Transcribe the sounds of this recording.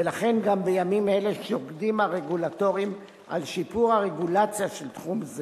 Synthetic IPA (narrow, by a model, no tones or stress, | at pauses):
velaχe̞nɡambejamimeleʃoɡdimaʁe̞ɡulato̞ʁim | a̰lʃipuʁhaʁe̞ɡulat͡sjaʃelt̪χumze